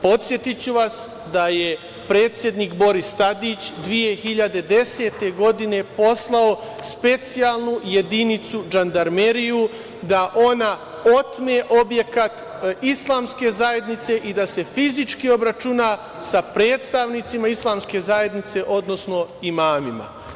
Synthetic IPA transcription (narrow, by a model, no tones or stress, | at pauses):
po̞t̪sʲje̞t̪it͡ɕuʋas | d̪aje̞ | pɾe̞ːt̪sje̞d̪niːkbo̞ɾist̪ad̪iːt͡ɕd̪ʋije̞xiʎad̪e̞d̪e̞se̞ːt̪e̞ɡo̞d̪ine̞po̞slao̞spe̞t̪sijaːlˠnuje̞d̪init̪sud͡ʒand̪aɾmeɾiju | d̪aʔo̞na | o̞t̪meʔo̞bje̞kat̪ | islˠaːmske̞zaje̞d̪nit̪se̞ʔid̪ase̞fizit͡ʃkio̞bɾat͡ʃunaː | sapɾe̞ːt̪st̪aʋnit̪simaislˠaːmske̞zaje̞d̪nit̪se̞ʔo̞d̪no̞sno̞imaːmima̰